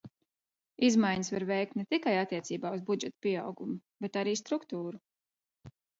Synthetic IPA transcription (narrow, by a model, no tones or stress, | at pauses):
izmajɲəsvaɾvɛjk̚t̪nɛt̪ikajat̪ːiɛt̪siːbaːuzbud͡ʒɛt̪pʲiɛawɡumubɛt̪aɾiːst̪ɾukt̪uːɾu